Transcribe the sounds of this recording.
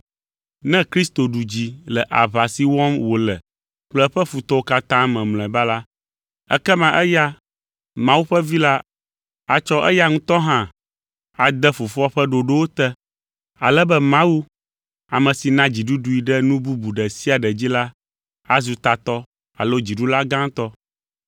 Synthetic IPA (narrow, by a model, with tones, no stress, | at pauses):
nɛ̃˦kɾi˦st̪o˨ɖu˨d͡ʑi˨lɛ˨ʔa˨βa˨si˨wɔ˦mwo˨lɛ˨ | ɸlɛ˦ɸɛ˦fu˨t̪ɔ˦wo˦ka˦t̪ã˦mɛ̃˨ml̃ɛ̃˨ba˦la˦ | ɛ̰˦kɛ˦mã˨ʔɛ˦ja˦ | mã˦wu˦ɸɛ˦vi˦la˦ | a˨t͡ʃɔ˦ʔɛ̰˦ja˦ŋũ˦t̪ɔ˦ɦã˦ | a˨d̪ɛ˦fu˨fɔ˦ɸɛ˦ɖo˨ɖo˦wo˦t̪ɛ˦ | a̰˨lɛ˦bɛ˦mã˦wu˦ | a˨mə̃˨si˨nã˦d͡ʑi˨ɖu˦ɖu˨i˨ɖɛ˦nũ˦bu˦bu˨ɖɛ˨si˦a˨ɖɛ˨d͡ʑi˦la˦ | a˨zu˨t̪a˨t̪ɔ˦ | a̰˨lo˦d͡ʑi˨ɖu˦la˦ɡã˦ŋ˦t̪ɔ˦